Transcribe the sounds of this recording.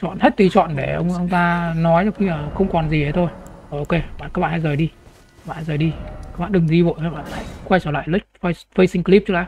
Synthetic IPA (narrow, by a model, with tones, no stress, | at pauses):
t͡ɕɔ̰˧˨nhe˦˥t̚t̪i˨˧˩t͡ɕɔ̰˧˨nɗe˧˩ʔə˧wŋ͡mʔə˧wŋ͡mt̪aː˧nɔ˨˦jzaː˧˩wxi˧aː˨˩xə˧wŋ͡mkɔ˨˩nzi˨˩hə˨˦t̪ʰo˧jə˧˩ʔo˧ke˧ɓaː˧˨kaː˦˥kɓa̰ː˧˨ha˧jzəː˨˩jɗi˧˦˥ | ɓaː˧˨ha˧jzəː˨˩jɗi˧a˦˥k̚ɓa̰ː˧˨ɗɨ˨˩ŋzi˧vo̰˧˨jhaː˨˧˦ɓa̰ː˧˨nla̰ː˧˥jxwa˧jt͡ɕə˧˩la̰ː˧˨jlə˦˥k̟̚ffə˧jsï˧ŋ̟kli˦˥t͡ɕə˦˥laː˧˨˦